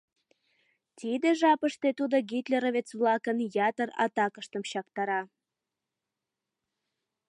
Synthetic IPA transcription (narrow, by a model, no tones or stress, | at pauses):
t̪id̪eʒɑpəʃt̪et̪ud̪oɡit̪lʲeɾovʲet͡sβlɑkənjɑt̪ərɑ̰t̪ɑkəʃt̪əmɕɑkt̪ɑɾɑ